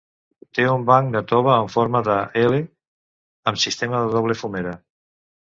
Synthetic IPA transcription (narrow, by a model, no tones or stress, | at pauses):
t̪eumbaŋd̪ət̪ɔβəːɱfoɾmaðəele | əmsist̪emaðəðɔβ̞lefumeɾa